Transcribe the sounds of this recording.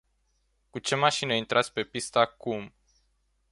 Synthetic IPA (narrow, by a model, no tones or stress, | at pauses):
kut͡ʃe̞maʃinəint̪ɾʔat̪sʲpe̞pist̪əakum